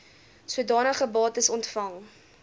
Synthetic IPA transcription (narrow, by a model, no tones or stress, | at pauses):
swədɑːnəχəbɑːtəsɔntfɐŋ